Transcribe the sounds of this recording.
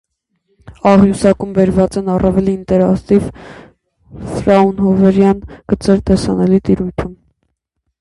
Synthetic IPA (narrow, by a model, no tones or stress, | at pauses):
ɑʁjusɑkumbɛɾvɑt͡sɛnɑrʔɑvɛliːnt̪ɛɾɑkt̪iv | fɾɑunɦɔvɛɾjɑnɡ̥ət͡sɛɾt̪ɛsɑnɛlit̪iɾujt̪ʰum